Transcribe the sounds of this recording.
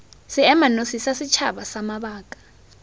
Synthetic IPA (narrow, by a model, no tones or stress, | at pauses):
siɛmanosisasit͡ʃʰa̰ɓasamaɓaːk̬ʼḁ